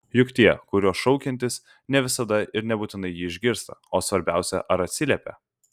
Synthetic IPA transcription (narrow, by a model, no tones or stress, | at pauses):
jʊkt̪ʲiɛkʊɾʲuɔsʃɔʊkʲɛnʲt̪ʲɪs | nʲɛʋʲɪsɐd̪ɐɪɾnʲɛbuːt̪ʲɪnɐɪjiːɪʒʲɡʲɪɾst̪ɐoːsʋɐɾʲbʲæˑʊsʲɛ̰ʔɐɾɐt̪ʲsʲɪlʲɛpʲɛ̰